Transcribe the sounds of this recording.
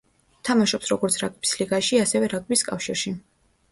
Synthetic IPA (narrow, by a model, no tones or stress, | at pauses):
t̪ʰamaʃɔpsɾɔɡɔɾt̪sʰɾaɡ̚bisliɡaʃiasɛvɛɾaɡ̚ʼbiskʼafʃiɾʃi